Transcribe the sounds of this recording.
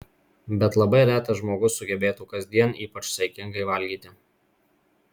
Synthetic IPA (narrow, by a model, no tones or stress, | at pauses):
bʲɛt̪lˠɐbɐɪɾʲæːt̪ɐʒmoːɡʊsːʊɡʲɛbʲeːt̪uːkɐzʲd̪ʲiɛniːpɐt͡ʃsɐɪkʲɪŋɡɐɪʋɐlʲɡʲiːt̪ʲɪ